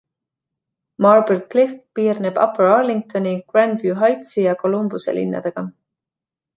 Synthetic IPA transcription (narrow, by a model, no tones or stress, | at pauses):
mɑrbilklift̪piːrneb̥ɑ̰peɾɑrliŋɡ̚t̪o̞niɡ̥rænd̪vjuɦɑjt̪sijɑko̞lumbusḛlʔḭnːɑ̰d̪̥e̞ɡ̥ɑ